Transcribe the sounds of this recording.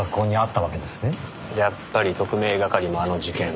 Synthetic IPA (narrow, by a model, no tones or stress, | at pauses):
akːo̞ːɲ̟iat̪ːaβake̞d̪e̞sɨ̥ne̞ | japːaɾʲit̪o̞kɯ̟me̞ːɡakaɾʲimoano̞ʑikẽ̞ŋ